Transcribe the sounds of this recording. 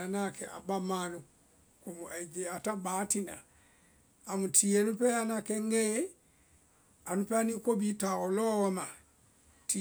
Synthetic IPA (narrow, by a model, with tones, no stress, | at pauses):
a˨na˦˨kɛ˨ʔa̰˨ba˦ma˦nu˨ | ko˨mu˨ʔa˨d͡ʒe˨a˨ta˦ba˨˦ti˦na̰˨ | a˨mu˨tʰi˨e˨nu˦pɛ˦a˦na˨kɛ˦ŋɡɛ˦ | a˨nu˦pɛ˦a˦ni˦ko˦bi˦ta˨ɔ˨lɔ˦wɔ˦ma˨ | ti